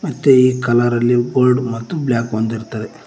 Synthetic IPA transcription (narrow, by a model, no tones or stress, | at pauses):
mɐt̪ːeiːkɐlaɾɐlːiɡoːlɖmɐt̪ːubljaːkond̪iɾt̪ɐde